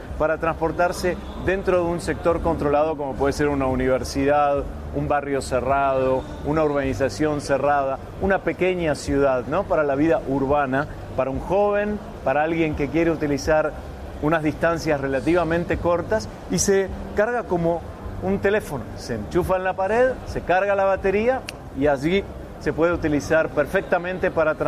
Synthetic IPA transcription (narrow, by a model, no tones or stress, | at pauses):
paɾat̪ɾãnspo̞ɾt̪aɾse̞ | ðe̞nt̪ɾo̞ðeunsek̚t̪o̞ɾko̞nt̪ɾo̞lað̞o̞ko̞mo̞pwe̞ðes̬e̞ɾunauniβeɾsiðað | umbarjo̞serað̞o̞ | unauɾβ̞anis̬asjo̞nseraða | unape̞keɲasjuð̞aðno̞paɾalaβiðaʔuɾβana | paɾauŋxo̞βe̞n | paɾaalɣje̞ŋke̞kje̞ɾe̞ut̪ilisaɾ | unazðist̪ansjasre̞lat̪iβ̞amẽnt̪eko̞ɾt̪as | isekaɾɣako̞mo̞ | unt̪e̞le̞fo̞nosent͡ʃufaẽnlapaɾeðse̞kaɾɣalaβat̪e̞ɾia | iasi | se̞pwe̞ðeut̪ilisaɾpeɾfek̚t̪amẽnt̪e̞paɾat̪ɾ